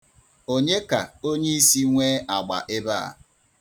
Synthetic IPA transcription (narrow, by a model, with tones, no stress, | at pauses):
o˦ɲe˦ka˨o˦ɲe˦i˦si˦ŋʷeː˦a˨ɡ͡ba̰˨ʔe˦ba˦a̰˨